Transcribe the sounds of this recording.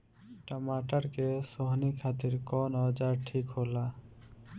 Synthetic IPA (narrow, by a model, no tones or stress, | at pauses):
ʈəmaʈaɾkesoɦnikʰat̪iɾkɔnɔd͡ʒaɾʈʰikɦola